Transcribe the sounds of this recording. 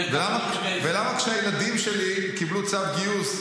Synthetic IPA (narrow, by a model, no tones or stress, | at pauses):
velama | velamakʃeajelad̪imʃelikiblut͡savɡius